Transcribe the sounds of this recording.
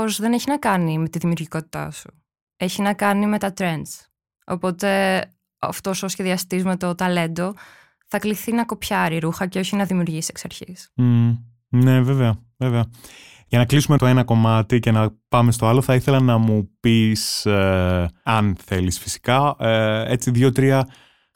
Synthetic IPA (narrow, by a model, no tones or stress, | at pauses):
ozðe̞neçinɐkɐnime̞t̪iðimiuɾʝiko̞t̪it̪ɐ̰su̥ | e̞çinɐkɐnime̞t̪ɐt̪ɾe̞nd̪s | o̞̰po̞t̪e̞ | ɐ̰ft̪o̞sosçe̞ðiɐst̪izme̞t̪o̞t̪ɐle̞nd̪o̞ | θɐkliθinɐko̞pçɐɾiɾuxɐceo̞çinɐðimiuɾʝisieksɐɾçḭsm̩ | ne̞veveɐve̞veɐ | ʝɐnɐklisumet̪oenɐko̞mɐt̪ice̞nɐpɐme̞st̪oɐloθɐiθe̞lɐnɐmupis | ɐnθe̞lisfi̥si̥kɐ | e̞t͡siðʝot̪ɾiɐ